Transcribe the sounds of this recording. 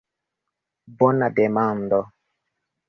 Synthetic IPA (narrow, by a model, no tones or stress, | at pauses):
bɔnːadɛmamdɔ